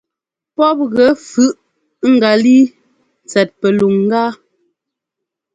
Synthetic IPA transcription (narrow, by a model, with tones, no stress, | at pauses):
pɔ˦p̚ɣɛ˨˦fʉ˦ʔ | ŋ̩˨ɡa˨li˦ | n˨t͡sɛ˨t̚pɛ˨lu˨ŋŋ̩˦ɡaː˦